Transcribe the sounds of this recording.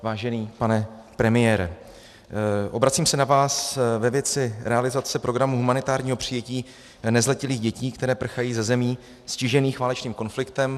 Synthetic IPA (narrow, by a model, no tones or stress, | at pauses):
vaːʒɛniːpanɛ | pɾɛmɪjɛːɾɛ | ʔo̞bɾat͡siːmsɛnavaːsvɛvjɛt͡sɪɾʔɛalɪzat͡sɛpɾo̞ɡɾamuɦumanɪt̪aːɾɲiːɦo̞pr̝̥ɪjɛciː | nɛzlɛcɪliːɣɟɛciːkt̪ɛɾɛːpr̩xajiːzɛzɛmiː | scɪʒɛniːxvaːlɛt͡ʃniːmko̞nflɪkt̪ɛm